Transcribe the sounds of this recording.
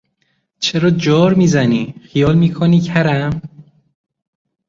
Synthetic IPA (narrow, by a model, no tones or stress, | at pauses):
t͡ʃʰeɾɒːd͡ʒoːɾmiːzæniːxijɒːlmiːkʰoniːcʰæɾæm